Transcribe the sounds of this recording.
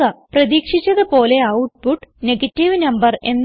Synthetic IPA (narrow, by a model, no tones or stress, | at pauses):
ɐprɐðiːkʂit͡ɕːɐðɨpo̞ːle̞ɐwʈ̚puʈːneɡɐtːiʋnɐmbɐre̞nː